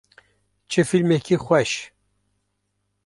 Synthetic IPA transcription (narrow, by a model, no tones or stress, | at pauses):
t͡ʃʰɨfilmekʰixʷɛʃ